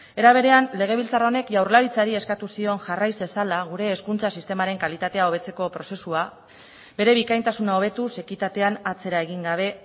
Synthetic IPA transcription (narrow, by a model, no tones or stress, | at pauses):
e̞ɾaβ̞e̞ɾe̞anle̞ɣ̞e̞β̞ilt͡sarao̞ne̞kʝawrlaɾit͡saɾie̞skat̪usio̞nʝarajzesalaɣ̞uɾe̞ːskunt͡sasist̪e̞maɾe̞ŋkalit̪at̪e̞ao̞βe̞t͡se̞ko̞pɾo̞se̞sua | be̞ɾe̞βikajnt̪asunao̞β̞e̞t̪use̞kit̪at̪e̞anat͡se̞ɾaeɣ̞iŋɡaβ̞e̞